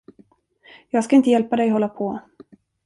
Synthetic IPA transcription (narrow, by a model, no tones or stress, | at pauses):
jɑːɡskaɪnt̪əjɛlpad̪ɛjɔɦɔlːapʰɔ